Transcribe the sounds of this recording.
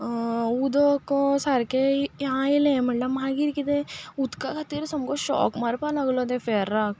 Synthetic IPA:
ud̪okõsaɾkejɦãilẽmɐʈlɐbmɦãɡiɾkit̪ẽut̪kakʰɐt̪iɾsɐmkoʃɔ̰ːkmɐɾpalɐɡlod̪ẽfeːɾaːk̚

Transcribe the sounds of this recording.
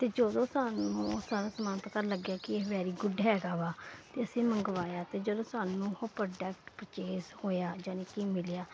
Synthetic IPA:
t̪eːd͡ʒod̪õːsaːnũːsaːɾaːsəmaːnt̪akəɾləɡjaːkɪeːʋɛːɾiːɡʊɖɦɛːɡaːʋaːt̪eːəsĩːmə̃ŋɡʋaːjaːt̪eːd͡ʒəd̪õːsaːnũːoːpəɖɛːkʈpɾət͡ʃeːshoːjaːd͡ʒaːnĩːkiːmɪljaː

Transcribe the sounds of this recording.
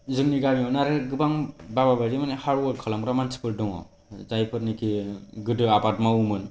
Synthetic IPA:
zɯŋniɡamiɔnaɾɯɡɯbaŋbababaɾimanehaɾuwɔɾkʰɯlamɾamansʰɯ̥pʰɯɾdɯŋɔ̰ | zajpʰɯɾnikʰiɡɯdɯabat̚maumɯn

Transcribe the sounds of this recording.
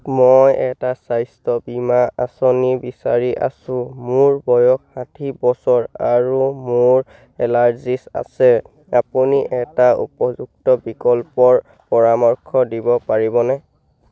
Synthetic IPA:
mojɛtasajstɔbimaasɔnibisaɹiʔa̰sʊ̃mʊɹbɔjɔkhatʰibɔsɔɹaɹumʊɹ | ɛlaɹzisa̰sɛ | apuniʔɛtaṵpɔzuk̚tɔbikɔlpɔɹ | pɔɹamɔɹkʰɔdibɔpaɹibɔnɛ

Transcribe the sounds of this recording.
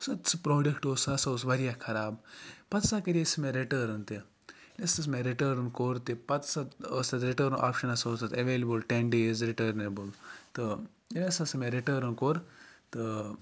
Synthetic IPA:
sɐt̪t͡sɨpɾoːɖekʈoːsɐsɐwsʋɐɾijakʰɐɾaːbpɐt̪sakɐɾʲisɐmeɾiʈəːɾnt̪e | lest̪ɐs̬meɾiʈəːɾnkoɾt̪epɐt̪sɐt̪əsɐt̪ɾiʈəːɾnʔa̰ːpʃɐnɐsɐːsɐt̪ɐʋeːlebɨlʈenɖeːzɾiʈəːɾnebɨlt̪ɨ | lʲesasɐmeɾiʈəːɾnkoːɾt̪ɨ

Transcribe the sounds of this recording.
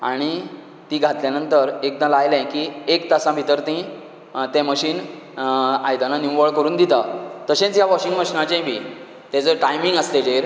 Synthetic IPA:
aɽ̃i | t̪iːɡʱat̪ljanənt̪əɾek̚d̪ãlajlɛ̃kiːekt̪asãbʱit̪əɾt̪ĩ | t̪ɛ̃məɕiːn | a̰jd̪ãnaniwʋəɭkəɾuːnd̪it̪at̪əɕẽt͡sjaʋɔɕĩŋɡməɕinãt͡ɕɛ̃bʱiː | t̪ɛ̃t͡səɾʈajmiŋɡəst̪ed͡ʑeɾ

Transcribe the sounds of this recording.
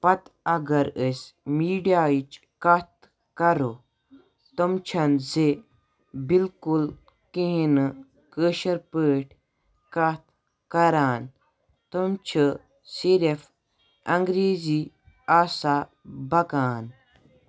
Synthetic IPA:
pɐt̪ɐɡɐɾəsmiːɖijaːit͡ʃ | kɐt̪ | kɐɾo | t̪omt͡ʃʰɐnze | bilkul | kiɦin | kəːʃɐɾpəːʈʰ | kɐt̪ | kɐɾaːn | t̪omt͡ʃʰɨ | siɾef | ɐŋɡɾeːziː | aːsa | bɐkaːn

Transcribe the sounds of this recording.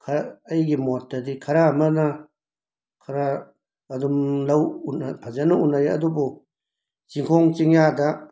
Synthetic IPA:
kʰaːjɡimot̚ːɐdikʰɐɾamɐna | kʰɐɾaː | dumlawnapʰazanuunːajɐ̰dubu | t͡ʃiŋkʰɔŋt͡ʃiŋjada

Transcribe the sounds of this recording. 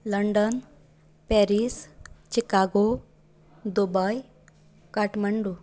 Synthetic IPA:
ləɳɖən | pɛɾist͡ʃikaɡo | d̪ubaj | kaʈməɳɖu

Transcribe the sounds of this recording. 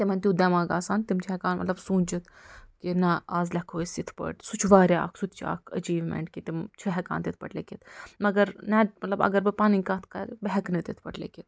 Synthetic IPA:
t̪imɐnt̪ʲid̪ɐmaːɡaːsaːnt̪imt͡ʃʰiɛkaːnmɐ̰t̪lɐbsũːnʲt͡ʃit̪kinɐaːzlʲɐkʰoːsit̪ʰpɐ̰ʈsut͡ʃʰʋaːɾja̰ːksut̪ʰt͡ʃʰa̰ːkʰɐt͡ʃiːʋmḛɳʈkit̪imt͡ʃʰiɦɛka̰ːnt̪it̪̚ʰpɐ̰ʈlḛkit̪ʰmɐɡɐɾnɐmɐt̪lɐbɐ̰ɡɐɾbɨpaːninʲkaːt̪ʰkɐ̰ɾbeɦɛknɨt̪it̪ʰpɐʈlḛkit̪

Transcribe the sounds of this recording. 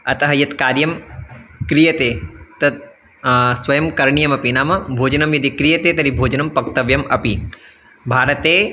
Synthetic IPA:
ɐt̪ɐɦɐjɐt̪kaːɾjɐm | kɾijɐt̪eːt̪ɐt̪̚ | sʋɐjɐmkɐɾɳijɐmɐpinaːmɐbʱoːd͡ʒɐnɐmjɐd̪ikɾijɐt̪eːt̪ɐɾibʱoːd͡ʒɐnɐmpɐk̚t̪ɐʋjɐmɐpi | bʱaːɾɐt̪eː

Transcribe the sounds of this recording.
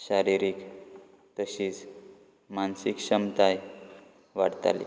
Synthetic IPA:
ɕaɾiɾik | t̪əɕiːt͡s | mansikɕəmt̪aj | ʋaɽt̪a̰lḭ

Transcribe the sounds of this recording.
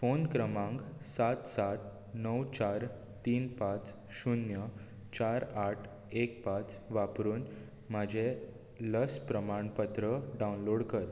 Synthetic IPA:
fonkɾəmãŋɡsat̪sat̪̚ | nəwt͡ɕaɾ | t̪iːnpat͡s | ɕunjə | t͡ɕaɾaʈʰ | ek̚pat͡sʋapɾuːn | m̤ad͡ʑʱe | ləspɾəmaɳpət̪ɾəɖawunloɽkəɾ

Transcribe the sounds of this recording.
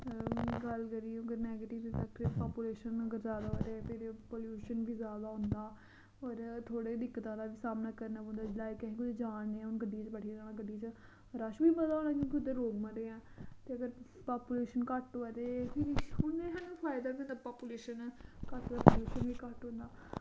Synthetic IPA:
ɡəlkəɾiːjũːəɡəɾnɛːɡeːʈɪʋt̪eɪpaːpuːleːʃənəɡəɾzaːd̪aɦot̪epʰɪɾpoːljuːʃənbʱiːzaːd̪aːɦʊ̃nd̪aː | ɔːɾt̪ʰoːɽeːd̪ɪkːt̪ãːd̪aːʋiːsaːmnaːkəɾnaːõnd̪aːlaːikəɦĩːkʊd͡ʒd͡ʒaːnneːɛ̃ːʊnɡəɖit͡ʃbəʈʰiad͡ʒaːnaːɡəɖːit͡ʃ | ɾəʃbiːbəd̪aːoːnaːkjõːk̬iʊd̪eːɾoːɡmədeːɛ̃ːt̪eːəɡəɾ | paːpuːleːʃənkəʈoɛt̪eːpʰɪɾʊneɦənũpʰaːɪd̪aːkiõnd̪aːpaːpuleːʃənːkəʈd̪aːpoːljuːʃənʋiːkəʈɦʊ̃ːnd̪aː

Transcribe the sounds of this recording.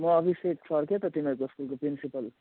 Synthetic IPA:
mʌʌbʱiseksʰʌɾkʰet̪ʌt̪imʌkoskulkopɾinsipʌl

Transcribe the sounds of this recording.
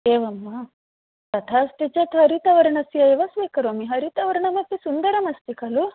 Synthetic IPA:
eːʋɐmːɐ | t̪ɐt̪ʰaːɐst̪it͡ʃɐt̪ɦɐɾit̪ɐʋɐɾɐɳɐsjɐeʋɐsʋiːkɐɾoːmiɦɐɾit̪ɐʋɐɾɐɳɐmɐp̪ːisund̪ɐɾɐmɐst̪ikɐlu

